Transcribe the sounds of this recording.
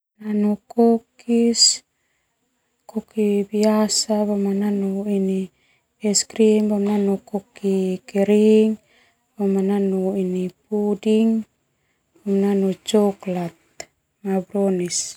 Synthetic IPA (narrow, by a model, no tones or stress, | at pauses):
nanukokis | kokibiasaβomananuini | eskɾimbomnanukokikeɾiŋ | bomananuinipudiŋ | bomnanut͡ʃoklat̪̚ | mabɾonis